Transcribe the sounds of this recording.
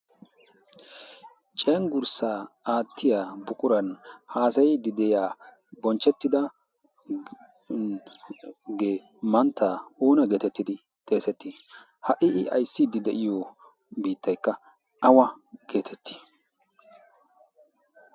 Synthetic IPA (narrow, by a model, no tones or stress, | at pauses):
t͡ʃʼɛːŋɡʊɾsaːaːt̪ʰːɪjaːbʊkʼʊɾɐnhaːsɐjd̪ɪd̪ɛjaː | bɔnt͡ʃːɛt̪ːɪd̪ɐ | ɡeː | mɐnt̪ːaːuːnɐɡe̞ːt̪ɛt̪ːɪd̪ɪ | t̪ʼe̞ːsɛt̪ːɪ | hɐʔɪʔɪʔɐ̰jsːɪd̪ɪd̪ɛʔɪjɔ | biːt̪ːɐjkːɐ | ɐwɐɡ̥e̞ːt̪ʰɛt̪ʰːi̥